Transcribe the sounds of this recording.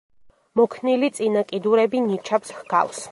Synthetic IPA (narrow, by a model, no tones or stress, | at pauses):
mɔkʰnilit̪sʼinakʼid̪uɾɛbinit͡ʃʰapshɡa̰ls